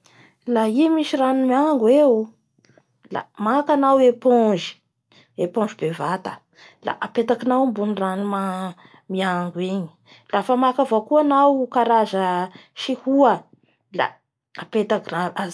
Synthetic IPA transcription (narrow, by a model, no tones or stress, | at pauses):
laimiʃiranumiaŋɡweu | la̰makanaweponʒi̥ | epõnd͡ʒibevat̪ə̥ | la̰ʔapet̪akinawmbunranuma | miaŋɡweɲi̥ | lafəmakavokuanawkaɾazəʃihuə | la̰ | apet̪akaa